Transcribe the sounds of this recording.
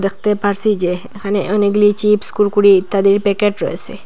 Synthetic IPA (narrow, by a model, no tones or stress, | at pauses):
d̪əxt̪epaɾsid͡ʒe | xaneʔoniɡlit͡ʃipskulkuɽit̪ad̪iɾpekeʈɾo̰ese